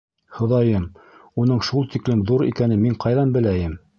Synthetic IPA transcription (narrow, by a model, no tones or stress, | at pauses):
hŏðɑjɤmunɤɴʃulˠt̪iklɘmðuɾḭkænɘmiɴqɑjðɑnbɘ̆læjɘm